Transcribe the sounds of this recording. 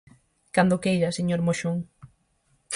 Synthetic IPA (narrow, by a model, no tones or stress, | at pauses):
kand̪okejʎɐseɲoɾmoʃuŋ